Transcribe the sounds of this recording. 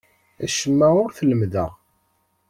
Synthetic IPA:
æʃəmːæʊɾθələmðə̰ʁ

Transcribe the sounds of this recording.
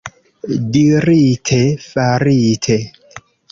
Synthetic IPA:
diɾitʰefaɾitʰe

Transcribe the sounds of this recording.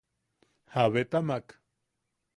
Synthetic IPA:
haβet̪amak

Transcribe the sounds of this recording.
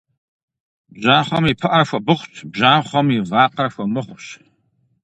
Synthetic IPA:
bʒaːχʷamipʰɨʔarafʷabɨχʷtʰbʒaːχʷamivaqʼarfʷamɨχʷʃ

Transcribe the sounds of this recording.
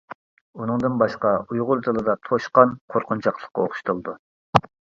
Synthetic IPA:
unɨŋd̪ɨnbɑʃqɑujʁʊɾt̪ʰɨlˠɨd̪ɑt̪ʰoʃqɑnqʰoɾqʰʊnt͡ʃʰɑqlˠə̥χqːɑoχʊ̥ʃt̪ʰulˠd̪u

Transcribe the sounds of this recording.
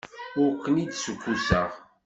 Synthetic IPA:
ʊɾkːənid̪səkʷːusə̰ʁ

